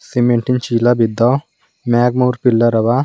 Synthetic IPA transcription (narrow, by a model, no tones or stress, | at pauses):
simẽɳʈint͡ʃilabid̪ːaː | mɛːɡmoːɾpɪlːəɾɐʋa